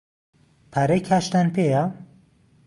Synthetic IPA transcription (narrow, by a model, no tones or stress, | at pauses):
pʰaɾejkʰaːʃt̪anpʰeja